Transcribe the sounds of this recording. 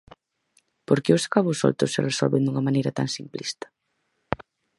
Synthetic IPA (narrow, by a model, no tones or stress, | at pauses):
poɾkɪʊsḁkaβʊsɔ̰lt̪ʊ̰sːɪresɔ̰lβend̪uŋɐmãnejɾɐt̪a̰ŋsimplḭst̪ɐ̥